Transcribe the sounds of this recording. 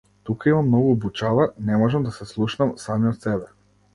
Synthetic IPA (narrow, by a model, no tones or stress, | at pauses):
t̪ukaimamnɔɡuːbut͡ʃavanɛmɔʒɛmd̪asɛslˠuʃnamsamiɔt̪sɛbɛ